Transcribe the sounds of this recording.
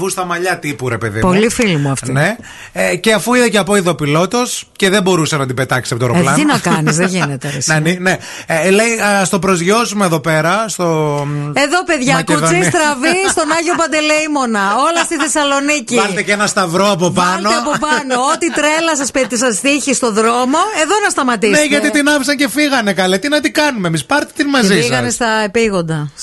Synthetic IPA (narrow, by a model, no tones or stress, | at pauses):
vust̪ɐmɐʎɐt̪ipuɾepeðḭpolifilimuɐft̪ine | ceɐfuiðeceɐpoiðo̞pilo̞t̪o̞sce̞ðebo̞ɾusɐnɐt̪ibet̪ɐksisɐpot̪oɾoelɐninɐkɐnizðeʝinet̪eɾisnɐnine | lejɐst̪o̞pɾozʝo̞sumeːðo̞pe̞ɾɐst̪oeðo̞pe̞ðʝɐkuðist̪ɾɐvist̪o̞nɐʝopɐnd̪e̞leimo̞nɐo̞lɐst̪iθe̞sɐlo̞niciɐlt̪ecenɐst̪ɐvɾoɐpovpɐlot̪eɐpopɐnoot̪it̪ɾe̞lɐsɐset̪isɐzðiçist̪o̞ðɾo̞mo̞e̞ðo̞nɐst̪ɐmɐt̪isneʝɐtt̪it̪inɐfisɐɲce̞fiɣɐnekɐlet̪inɐt̪ikɐnumemispɐɾt̪e̥t̪inmɐzisiɣɐnest̪ɐepiɣo̞nd̪ɐ